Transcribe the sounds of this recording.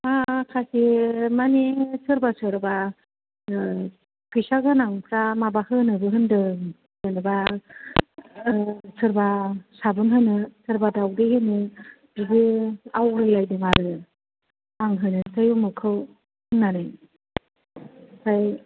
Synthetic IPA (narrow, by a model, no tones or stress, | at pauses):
akʰasimanesɯɾbasɯɾba | kʰɯjsaɡɯnaŋpʰɾamabahɯnɯbɯɦɯndɯ | bɯnɯba | sɯɾbasabɯnɦɯnɯsʰɯɾbadawdehɯnɯ | diɡɯawɾɯjlajdɯŋaɾɯ | aŋɦɯnɯsʰajumɯkʰɯw | hɯnːanɯ | sʰaj